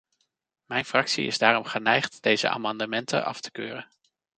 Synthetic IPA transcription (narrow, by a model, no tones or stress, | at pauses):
mɛjnfrɑksḭɪ̰zdaːrɔmχənɛjχtd̥ejzə̰ʔa̰ːmɑndəmɛntə̰ʔɑ̰ftə̥køːrən